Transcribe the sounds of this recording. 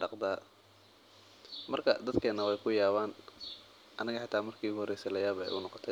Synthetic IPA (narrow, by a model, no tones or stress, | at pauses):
ɖɑqd̪aː | mɐrkʰɐd̪ɐd̪kʰɛːnːɐwɛjkʰʊjaːβaːn | ʔɐnɐɣɐħɑt̪ʰaːmɐrkʰiːɣʊhɔrɛjsɛlɐjaːβbɛ̰jʔʊ̰nɔqɔ̥t̪ʰɛ